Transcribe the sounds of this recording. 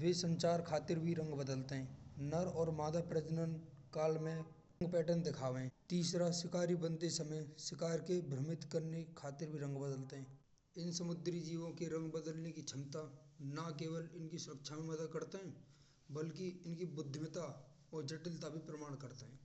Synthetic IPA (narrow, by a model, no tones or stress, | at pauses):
ʋesə̃ɲt͡ʃaːɾkʰaːt̪ɪɾbʱiɾə̃ŋɡbəd̪əlt̪eɦɛ̃ːnɐɾɔːɾmaːd̪apɾəd͡ʒnənkaːlmẽ | əŋɡpɛːʈənd̪ɪkʰaːʋeɛ̃t̪iːsɾasɪkaːɾibə̃nt̪esəməjsɪkaːɾkebʱɾəmɪt̪kəɾnekʰaːt̪ɪɾbʱiɾə̃ŋɡbəd̪əlt̪eɦɛ̃ː | ɪnsəmʊd̪ɾid͡ʒiːʋõkeɾɐ̃ŋɡbəd̪əlnekit͡ʃʰɪmt̪anakeːwəlɪnkisʊɾəkʃʰamẽmɐd̪əd̪̚kəɾt̪eɦɛ̃ː | bəlkiɪnkibʊd̪ʱːɪmət̪a | ɔːɾd͡ʒəʈɪlt̪abʱipɾəmaːɽ̃kəɾt̪eɦɛ̃ː